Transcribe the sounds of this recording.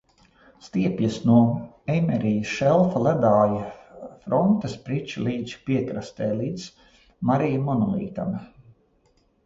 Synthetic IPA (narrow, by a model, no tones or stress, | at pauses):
st̪iɛpjasnuɔ | ɛjmɛɾijɐsʃɛlˠfalæd̪aːjafɾɔnt̪ɐspɾit͡ʃilˠiːd̪z̥piɛkɾast̪ɛːlˠiːt̪s | maɾijamɔnɔlˠḭːt̪a̰na